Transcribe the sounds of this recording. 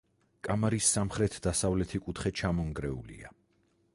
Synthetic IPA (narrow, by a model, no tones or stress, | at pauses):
kʼamaɾisːamχɾɛt̪ʰd̪asavlɛt̪ʰikʼut̪χɛt͡ʃʰamɔŋɡɾɛṵlḭa̰